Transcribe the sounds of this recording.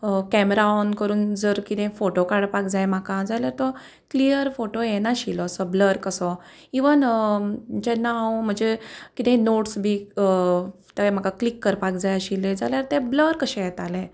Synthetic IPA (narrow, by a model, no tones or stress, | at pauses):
kɛmɾaɔnkəɾuːnd͡zəɾkit̪ɛ̃foʈokaɽpak̚d͡zajmakãd͡zaljaɾt̪ɔ | klijəɾfoʈojenaɕilɔəsɔbləɾkəsɔ | iʋən | d͡ʑɛnːawm̤əɳd͡zekit̪ɛ̃noʈsbʱiː | t̪əm̤akaklikːəɾpakd͡zajəɕilːẽd͡zaljaɾt̪ebləɾkəɕɛ̃jɛt̪alẽ